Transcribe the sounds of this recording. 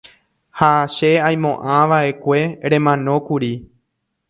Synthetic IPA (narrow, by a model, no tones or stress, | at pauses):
haʃeaj̃mõ̞ʔãʋaʔe̞kʷe̞ɾẽ̞mãnõ̞kuɾi